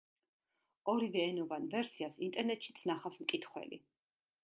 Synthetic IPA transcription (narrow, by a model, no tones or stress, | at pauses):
ɔɾivɛːnɔvanvɛɾsiasḭnt̪ʼɛɾnɛt̪ʼʃit̪sʰnaχafsmkʼit̪ʰχwɛ̰lḭ